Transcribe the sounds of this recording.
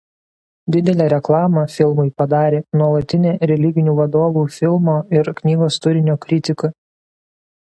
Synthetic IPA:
d̪ʲɪd̪ʲɛlʲɛːɾʲɛklˠɑːmɐfʲɪlˠmʊɪpɐd̪ɑːɾʲeːnuɔlˠɐt̪ʲɪnʲeːɾʲɛlʲɪɡʲɪnʲuːʋɐd̪oːʋuːfʲɪlˠmoːɪɾknʲiːɡoːst̪ʊɾʲɪnʲoːkɾʲɪt̪ʲɪkʊ

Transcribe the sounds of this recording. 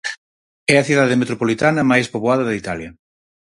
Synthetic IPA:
ɛɐθiðaðemet̪ɾopolit̪anɐmajspoβoaðɐðɐit̪aljɐ

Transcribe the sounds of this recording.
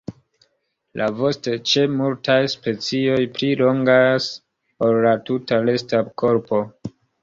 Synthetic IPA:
lʔavo̞stet͡ʃe̞multajspe̞t͡sio̞jplilo̞ŋɡas | po̞lːatutale̞stako̞ɾpo̞

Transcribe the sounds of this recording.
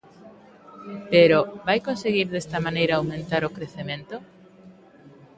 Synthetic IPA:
peɾoβajkonseɣiɾðest̪ɐmanejɾaːwmẽnt̪aɾokɾeθemẽnt̪o

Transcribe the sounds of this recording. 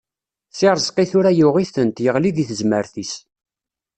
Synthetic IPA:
sɪɾˤzˤqiθʊɾæjʊʁiθənt̪jəʁliðiθəzməɾθis

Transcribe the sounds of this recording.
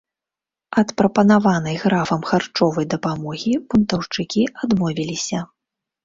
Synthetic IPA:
ɐt̪pɾɐpɐnavan̪ɐjɣɾafɐmxart͡ʂɔvɐjd̪ɐpamɔɣʲibunt̪ɐwt͡ʂɨkʲiad̪mɔvʲilʲisʲɐ

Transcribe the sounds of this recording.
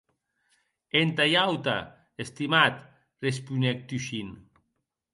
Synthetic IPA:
ent̪ajawt̪a̰ | est̪imat̪ | respunek̚t̪uʃin

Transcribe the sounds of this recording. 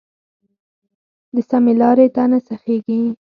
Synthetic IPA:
d̪əsamelɑɾet̪anasaxeɡi

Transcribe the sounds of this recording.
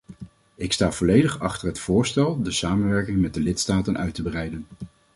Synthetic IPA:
ɪkstaːv̥ɔlejdəχɑχtəɹɦətfʊːɹstɛlˠdəsaːmənʋɛɹkɪŋmɛt̚dəlɪtstaːtənʔœɥtəbərɛjdən

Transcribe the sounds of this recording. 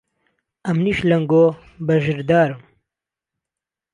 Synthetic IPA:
ɐmniʃlɐŋɡoː | bɐʒɨɾd̪aːɾum

